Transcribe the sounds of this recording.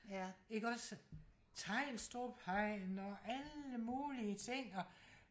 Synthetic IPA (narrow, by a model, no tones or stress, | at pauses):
je̝ɡ̥ɒ̽s | t͡sʰɑ̈ɪ̰lsd̥o̝ːpʰɑɪ̰nɒʔæləmuːliət͡sʰe̝ŋ̰ɒ̽